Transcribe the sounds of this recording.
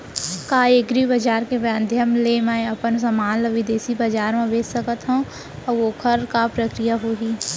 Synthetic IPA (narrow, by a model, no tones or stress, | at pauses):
kaːeɡɾibəd͡ʒaːɾkeʋjãnd̪ʱjəmlemaːẽɐpəns̬əmaːnləʋɪd̪eːsibəd͡ʒaːɾmãbeːd͡ʒsəkət̪ɦõː | ɔʋoːkʰəɾkapɾəkɾijaɦoːɡiː